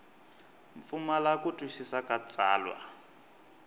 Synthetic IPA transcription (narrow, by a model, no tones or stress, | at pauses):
ɱp̪fumalakutʼuʃisakat͡sʼa̰ːlwa̰